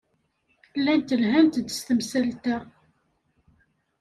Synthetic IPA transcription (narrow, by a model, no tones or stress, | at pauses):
lːænt̪əlɦænt̪d̪əst̪əmsælt̪ə